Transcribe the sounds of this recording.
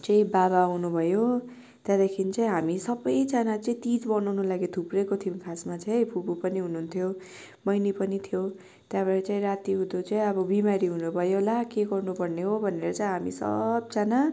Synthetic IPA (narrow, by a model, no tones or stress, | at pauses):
t͡saĩbabaɦunubʱʌjo | t̪jad̪ʌkʰinit͡saĩɦamisʌbʌjd͡zanat͡saĩt̪id͡zbʌnʌwnulaɡet̪ʰuprʌkot̪ʰimkʰasmat͡saj̃pʰubupʌniɦununt̪ʰjo | mʌjnipʌnit̪ʰjo | t̪jabʌɾit͡saĩɾat̪iud̪ot͡saĩʌbʌbimaɾiɦunubʱʌjolakeɡʌrnupʌrneɦobʱʌnːeɾʌt͡saĩɦamḭsʌ̰b̚t͡sana